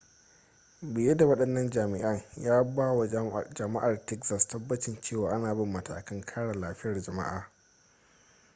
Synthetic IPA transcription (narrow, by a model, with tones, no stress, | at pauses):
bɪ˨jɐ˦da˨wɐ˦ɗɐ˦nːɐ˦nd͡ʒaː˨mɪ˨ʔɐ˦ŋjaː˦baː˦wa˨d͡ʒɐ˨ma˦ʔa˨rtɛ˦kzɐ˨stɐ˦bːɐ˦t͡ʃɪ˨nt͡ʃeː˦˨waː˨ʔa˦naː˨bɪ˦mːɐ˨tʰa̰ː˨kɐ˦ŋkʰaː˦ɽa˨laː˨ɸɪ˦jɐ˨rd͡ʒɐ˨ma̰˦ʔa̰ː˨